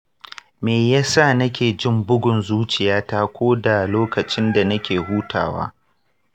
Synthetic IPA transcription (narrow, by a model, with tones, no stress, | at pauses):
meː˨jaː˦sa˦˨nɐ˦kʲeː˨d͡ʒɪ˦mbʊ˦ɡʷʊ˨nzuː˦t͡ʃɪ˨jaː˦taː˦kʷoː˦da˨loː˦kɐ˨t͡ʃɪ˦nda˨nɐ˦kʲeː˨ɦuː˦tʰa̰ː˨wa̰ː˦